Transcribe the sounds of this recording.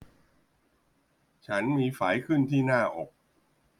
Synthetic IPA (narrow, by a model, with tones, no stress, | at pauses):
t͡ɕʰa˦˥nmiː˧fa̰ː˩˦jkʰɯ˥˩nt̪ʰiː˥˩naː˥˩ʔo˨˩k̚